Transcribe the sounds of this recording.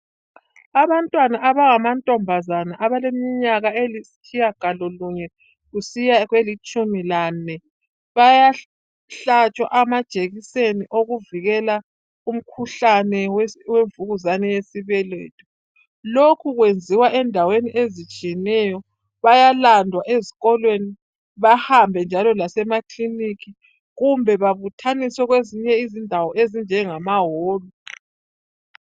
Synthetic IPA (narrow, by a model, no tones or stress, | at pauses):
aβantʼwanaʔaβaŋamantʼɔmbʱazanaʔaβalemiɲaɣaelisi̥kʰijaɡ̥ʱalɔluɲɛ | ɣusijaɣwelit͡ʃʼumilanɛ | βaja | ɬat͡ʃʼwa̰ʔamad̥ʒ̥ʱeɣiseniʔoɣuviɣɛla | um̩kʰuɬanɛwweɱvuɣuzanɛjesiβɛlḛːtʰʼu | lokʰuɣwend͡zʱiwaʔɛndʱaweniʔezit͡ʃʼijɛnɛjɔ | βajalandʱwaʔezi̥ɣɔlweni | βahambʱɛnd͡ʒʱalɔlasɛmaklinikʰi | ɣumbʱɛβaβutʰaniswɛɣweziɲɛizindʱawɔʔezind͡ʒʱɛŋamaɦoːlu